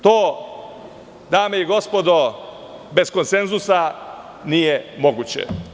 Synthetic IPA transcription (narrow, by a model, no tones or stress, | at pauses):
t̪oː | d̪aːmeiɡo̞spo̞d̪o | be̞skonsenzusa | nijemoɡut͡ɕḛ